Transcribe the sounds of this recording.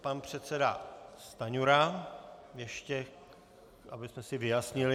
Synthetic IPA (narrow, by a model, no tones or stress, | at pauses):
panpr̝̥ɛt̪sɛda̰st̪aɲuɾa | jɛʃcɛ | ʔabɪsmɛsɪvɪjasɲɪlɪ